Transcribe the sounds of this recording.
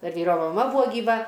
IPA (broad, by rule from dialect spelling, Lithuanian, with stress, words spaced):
ˈdɐr ˈʋʲiːroː mɐˈmɐ ˈbʊʋoː ɡʲiːˈʋɐ